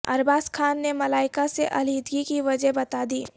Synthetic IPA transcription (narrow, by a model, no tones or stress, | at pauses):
ɐ̰ɾbaːskʰaːnːemɐlaːɪkaseʔɐliːd̪ɡikiʋɐd͡ʒəɦbɐt̪ad̪iː